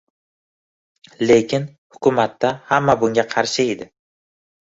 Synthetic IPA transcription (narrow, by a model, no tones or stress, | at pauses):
le̞kʲɪn | hʊkʰʊmat̪ːahamːabʊŋɡʲaqʰɑɾʃɪed̪ɪ